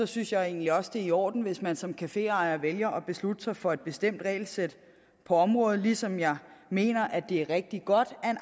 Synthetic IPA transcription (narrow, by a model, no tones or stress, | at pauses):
sɒ̽synsjɑ̈ɪe̝̰ːnliɒ̽sd̥e̝iɒ̰ːd̥n̩ʋe̝smænsɒ̽mkʰæfe̝̰ːɑ̈ɪɐʋeljɐʔɒ̽b̥e̝slud̥əsɑ̈ɪfɒ̽e̝d̥̚b̥e̝sd̥em̰d̥ʁɛ̰ɪlsed̥ | pʰɒ̽ɒ̽mʁɔ̽ːð̩ˠlisɒ̽mjɑ̈ɪme̝̰ːnɐʔæd̥e̝æɐʁɛɡ̥̚d̥iɡ̥ɒ̽d̥æe̝n